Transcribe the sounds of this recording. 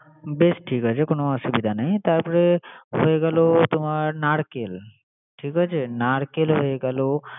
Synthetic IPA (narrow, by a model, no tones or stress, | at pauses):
besʈʰiːkət͡ʃekoñoəsubid̪ʱanaɦĩt̪aɾpəɾeɦoeɡalot̪um̤aɾnaɽkel | ʈʰiːkɦət͡ʃʰenaɽkelɦoeɡalo